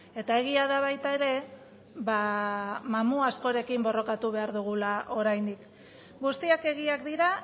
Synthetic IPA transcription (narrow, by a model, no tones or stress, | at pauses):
e̞t̪ae̞ɣ̞iaðaβajt̪ae̞ɾe̞ | βa | mamuasko̞ɾe̞kimbo̞ro̞kat̪uβe̞aɾðuɣ̞ulaʔo̞ɾajnd̪ik | ɡust̪iake̞ɣ̞iakd̪iɾa